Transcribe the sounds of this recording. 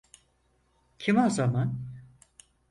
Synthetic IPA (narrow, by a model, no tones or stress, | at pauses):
cʰimazaman